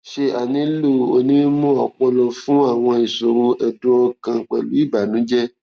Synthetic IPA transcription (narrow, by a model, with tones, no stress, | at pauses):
ʃe˧a˨nĩ˨˦lu˦˨o˧nĩ˦mũ˦ɔ˨k͡pɔ˧lɔ˧fũ˦a˦˨w̃ɔ̃˧i˨so˨ɾo˧ʔɛ˨dũ˦ɔ˧kã˧k͡pɛ̰˨lṵ˨˦i˦˨ba˨nũ˨˦d͡ʒɛ˦